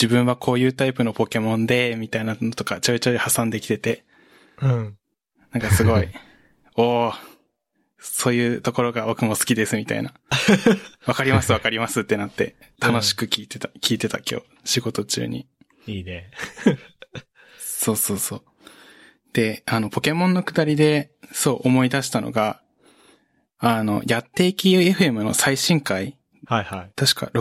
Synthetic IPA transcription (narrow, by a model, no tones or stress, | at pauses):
d͡ʑibɯ̟̃ɰ̃βakʰo̞ːjɯ̟ːt̪aipɯ̟nopo̞ke̞mõ̞nd̪e̞mʲit̪ainanot̪o̞kat͡ɕo̞it͡ɕo̞ihasãnd̪e̞kʲi̥t̪e̞t̪ẽ̞ | nãŋkasɨɡo̞i | oː | so̞ːjɯ̟ːt̪o̞ko̞ɾo̞ɡaokɯ̟mo̞sɨ̥kʲid̪e̞sɨmʲit̪a̰ḭna | βakaɾʲimasɨβakaɾʲimasɨt̪ːe̞nat̪ːe̞̰ | t̪ʰano̞ɕi̥kɯ̟kʲiːt̪e̞t̪ḁkʲiːt̪e̞t̪a̰kʲʰo̰ː | ɕiɡo̞t̪o̞t͡ɕɨ̰ːɲ̟ḭ | iːne | so̞ːso̞ːso̞ː | d̪̥e̞ano̞pʰo̞ke̞mõ̞nːo̞kɯ̟d̪aɾʲid̪e̞ | so̞ːʔomo̞id̪aɕi̥t̪anʔo̞̰ɡa | no̞jat̪ːe̞kʲieɸɯ̟e̞mɯ̟no̞̰saiɕĩŋkai | hhait̪aɕi̥ka̰ɾ